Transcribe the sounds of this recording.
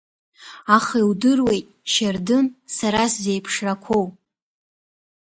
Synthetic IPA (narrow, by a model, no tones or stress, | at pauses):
aχiwdɨrwe̞jtʼʃardɨnsaɾaszejpʰʂrakʷʰo̞w